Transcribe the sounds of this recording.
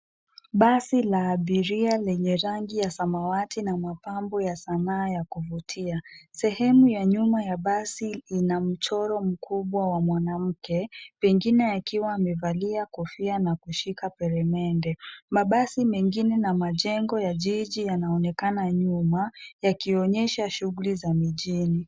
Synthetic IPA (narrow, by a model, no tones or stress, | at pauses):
ɓasilaːɓiɾialɛɲɛɾaŋɡijasamawatinamapambɔjasanaːjakuvutʰiasɛhɛmujaɲumajaɓasiinam̩t͡ʃɔɾɔm̩kʰuɓwawamwanam̩kɛpɛŋɡinɛakiwaːmɛvaliakɔfianakuʃikapɛɾɛmɛndɛmaɓasimɛŋɡinɛnamaʄɛŋɡɔjaʄiʄijanaɔnɛkanaɲumajakiɔɲɛʃaʃuɣulizamiʄini